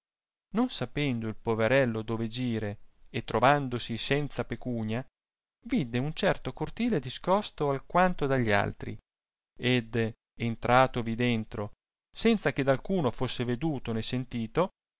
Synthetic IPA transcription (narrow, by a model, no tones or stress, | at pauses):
nonsapɛnd̪oilpoveɾɛlːod̪oːved͡ʒiːɾeːt̪ːɾʔovand̪osisɛnt̪sapekuːɲa | vid̪eunt͡ʃɛrt̪okort̪iːled̪iskɔst̪oalkwant̪od̪aʎːia̰lt̪ɾḭ | ed̪ | ent̪ɾʔaːt̪ovid̪ent̪ɾo | sɛnt̪sak̟ed̪alkuːnofosːeved̪uːt̪onesent̪iːt̪o